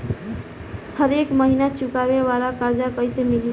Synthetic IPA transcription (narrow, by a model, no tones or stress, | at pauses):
həɾekməɦinat͡ʃukabebaɾakaɾd͡ʒakəjsemili